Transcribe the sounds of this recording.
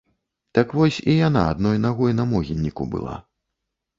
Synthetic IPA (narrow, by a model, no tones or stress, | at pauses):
t̪ɐkvɔsʲijana̰ad̪nɔjnaɣɔjnɐmɔɣʲinʲːikṵbɨ̰lˠa̰